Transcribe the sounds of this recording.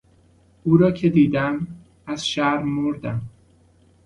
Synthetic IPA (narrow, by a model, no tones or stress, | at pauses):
uːɾɒːcʰe̞d̪iːd̪æm | æz̥ʃæɾmoɾd̪æm